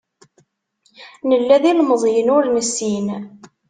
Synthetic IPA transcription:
nəlːæðilməðˤjənʊɾnəsːin

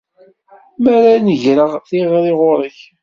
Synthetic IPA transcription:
mæɾanəʝɾəʁθiʁɾɪʁʊɾˤəç

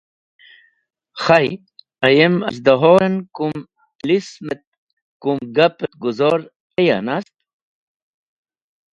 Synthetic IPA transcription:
xaj | ɐjemɐ̰s̬d̪ɐɦoːɾɐnkum | lismet̪̚ | kumɡɐpet̪̚ɡuzoɾ | eja̰nast̪̚

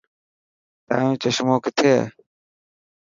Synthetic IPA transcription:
t̪ã̰ːũːt͡ɕəʃmoːkɪt̪ʰeː

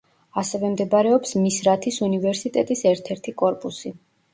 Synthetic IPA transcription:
asɛvɛmd̪ɛbaɾɛɔpsmisɾat̪ʰisunivɛɾsit̪ʼɛt̪ʼisɛɾt̪ʰɛɾt̪ʰikʼɔɾpʼusi

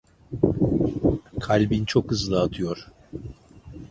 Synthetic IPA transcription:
kʰalʲbint͡ʃʰo̞khɯzlˠaːt̪ʰɯjo̞ɾ̥

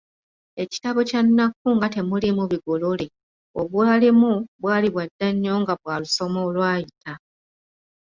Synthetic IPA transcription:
e̞ci̥taβo̞canːakːuŋɡate̞mulimuβiɡo̞lole̞ | oβwaːlimuβwaːliβwadːaɲːo̞ŋɡaβwaːluso̞moːlwaːjitʰa

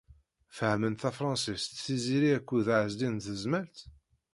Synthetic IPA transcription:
fəhmənθæfɾˤɑ̃nsist̪θiziɾiækʷːuðʕəzd̪inθəzmælt̪

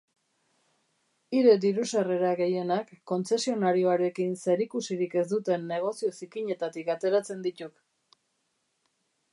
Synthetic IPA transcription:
iɾed̪iɾusere̞ɾaɣe̞je̞nakːo̞nt͡se̞sio̞naɾio̞aɾe̞kinse̞ɾikusiɾike̞zd̪ut̪e̞nːe̞ɣ̞o̞sio̞sikiɲe̞t̪at̪ikat̪e̞ɾat͡se̞nd̪it̪uk

